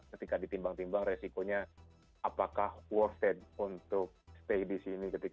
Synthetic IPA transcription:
kət̪ikadit̪imbaŋt̪imbaŋresikoɲa | apakahwɔrt̪ɛd̚unt̪ʊk̚st̪eidisinikət̪ik

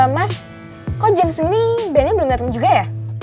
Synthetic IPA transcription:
amas | kɔd͡ʒəmsəŋnibɛnabəlʊŋdat̪əŋd͡ʒuɡaja

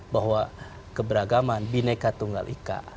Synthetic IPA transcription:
baɦwa | kəbəɾaɡamanbinəkat̪uŋɡa̰lʔika̰

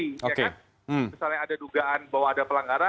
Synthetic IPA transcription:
iojake | m̩misalɲaːdaduɡaanbawaːdapəlaŋɡaɾa

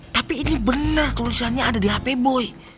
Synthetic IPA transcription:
t̪apiːnibənərt̪ulisanɲaːdadiɦapebɔj

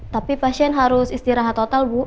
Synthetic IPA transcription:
t̪apipaʃiɛnɦaɾʊsist̪iɾaɦat̪ːot̪alwu

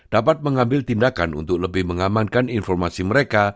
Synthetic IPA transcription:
d̥apat̪̚məŋambɪlt̪indakanṵnt̪ʊk̚ləbɪhməŋamankaninfɔrmasiməɾeka

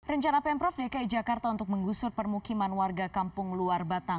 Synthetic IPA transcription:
rəɲt͡ʃanapɛmpɾɔfdekaid͡ʒakart̪aunt̪ʊk̚məŋɡusʊrpərmukimanwarɡakampʊŋluarbat̪aŋ

